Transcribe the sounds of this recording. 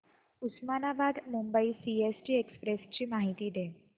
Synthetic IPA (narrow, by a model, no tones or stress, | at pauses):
usmanabad̪mumbəisiesʈiːekspɾest͡ɕiːmaɦit̪iːd̪e